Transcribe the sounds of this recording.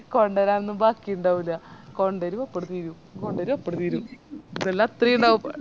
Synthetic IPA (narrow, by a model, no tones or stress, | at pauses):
koɳɖɐɾaːmenːumbaːkːijuɳɖaːʋilːɐkoɳɖeɾumopːɐɽut̪iɾu | koɳɖeɾumopːɐɽut̪iɾuinelːat̪rijuɳɖaːup